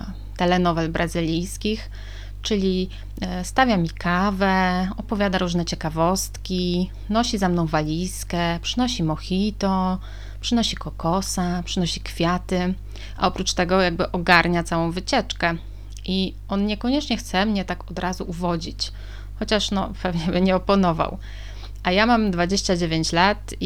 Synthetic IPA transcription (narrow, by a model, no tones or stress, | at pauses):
t̪ɛlɛnɔvɛlbɾʔazɘlʲijskʲix | t͡ʂɘlʲi | st̪avʲjamʲikʰavɛɔpɔvʲjad̪aɾuʐnɛt͡ɕɛkavɔst̪kʲi | nɔɕizamnɔ̃w̃valʲiskɛpʂɘnɔɕimɔxʲit̪ɔ | pʂɘnɔɕikɔkɔsapʂɘnɔɕikfʲjat̪ɘ | ʔa̰ɔpɾut͡ʂt̪ɛɡɔjaɡ̚bɘʔɔɡaɾɲat̪sawɔ̃w̃vɘt͡ɕɛt͡ʂkɛ | ʔi | ɔnɲɛkɔɲɛt͡ʂɲɛxt̪sɛmɲɛt̪akɔd̪ɾazuʔuvɔd͡ʑit͡ɕ | xɔt͡ɕaʂnɔ̰pɛvɲɛbɘɲɛɔpɔnɔva̰w | ʔajamamd̪vad͡ʑeɕt͡ɕad͡ʑevʲjeɲt͡ɕlat̪